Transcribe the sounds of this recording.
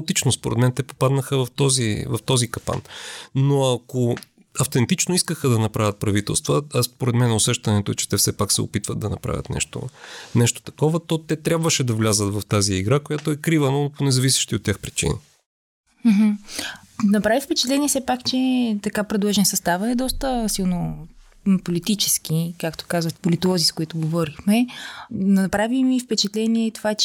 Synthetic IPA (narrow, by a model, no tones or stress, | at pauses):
t̪it͡ʃnospoɾɛd̪mɛnt̪ɛpo̥pad̪nəxəvɐft̪ɔzivɐft̪ɔzikɐpa̰nnoɐko | ɐft̪ɛnt̪it͡ʃnoiskəxəd̪ɐnɐpɾavʲət̪̚pɾɐvit̪ɛ̰lˠst̪vəspoɾɛd̪mɛnʊsɛʃt̪ɐnɛt̪oɛt͡ʃɛ̥t̪ɛfsɛpaksɛ̰o̰pit̪vəd̪d̪ɐnɐ̰pɾa̰vʲə̰t̪nɛ̰ʃt̪o̰nɛʃt̪o̥t̪ɐ̥kɔvət̪ɔt̪ɛt̪ɾʲjabvəʃɛd̪ɐvlʲazət̪vɐft̪aziːɡɾakojat̪oɛkɾivənoponɛzɐvisɛ̥ʃt̪iot̪ʲːjaxpɾit͡ʃḭnḭ | m̩ɦm̩ | nɐpɾavifpɛt͡ʃɛ̥t̪lɛniɛsɛpakt͡ʃɛt̪ɐkapɾɛd̪lˠɔʒɛnsɐst̪avəɛd̪ɔst̪əsilˠno | polit̪it͡ʃɛsk̟ikakt̪o̥kazvət̪polit̪olˠɔziskʊit̪ʊɡovɔɾixmɛ | nɐpɾavimifpɛt͡ʃɛt̪lɛniɛt̪ovat͡ʃ